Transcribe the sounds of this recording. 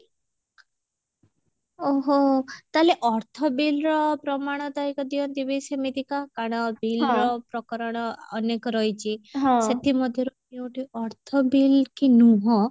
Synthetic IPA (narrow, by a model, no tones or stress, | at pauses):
oɦot̪aleʔɔɾt̪ʰɔbilɾɔpɾɔmaɽ̃ɔd̪aikɔd̪iɔd̪ibesemit̪ikakaɽ̃ɔbilɾɔpɾɔkɔɾɔɽ̃ɔːnekɔɾɔjt͡ʃʰiɦɔ̃set̪imɔd̪ʱjɔɾu | ew̃ʈiʔɔɾt̪ʰɔbilkinũɦɔ̃